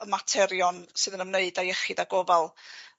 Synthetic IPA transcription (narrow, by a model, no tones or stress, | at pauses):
əmatʰɛɾjɔnsɨːðənəmneɨdajɛχɨdaɡɔvɛlˠ